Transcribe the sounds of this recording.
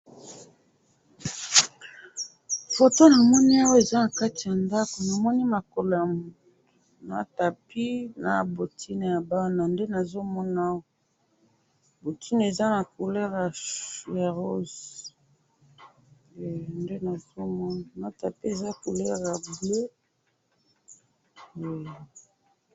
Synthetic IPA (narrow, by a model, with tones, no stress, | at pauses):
fo˨to˦na˨mɔ˦ni˦a˦wa˦e˨za˦na˨ka˦ti˨ja˨nda˦ko˨na˨mɔ˦ni˦ma˨ko˨lo˨ja˨mu˨tto̥˨ | na̰˨ta˨pi˦na˨bo˨tʰi˦ne˨ja˨ba˦na˨nde˦na˨zo˦mɔ˦na˦wo˦ | bo˨tʰi˦n˨e˨za˦na˨ku˨lɛ˦ʁja˨ja˨ʁo˦z | ɛ˨nde˦na˨zo˦mɔ˦na˨na˨ta˨pi˦e˨za˦ku˨lɛ˦ʁja˨ble˦ | ɛ˨